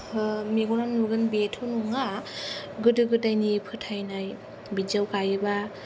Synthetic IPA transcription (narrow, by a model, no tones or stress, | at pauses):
meɡɔnannuɡɯnbetʰunuŋa | ɡɯdɯɡɯdajnipʰɯtʰajnaj | bid͡ʒawkajɯba